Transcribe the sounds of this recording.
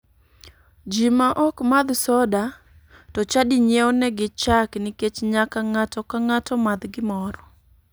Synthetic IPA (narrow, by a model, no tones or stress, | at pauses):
d͡ʒimaʔɔkmad̪sɔda | tɔt͡ʃadiɲɛɔnɛɡɪt͡ʃaknɪket͡ʃɲakaŋatɔkaŋatɔmad̪ɡɪmɔɾɔ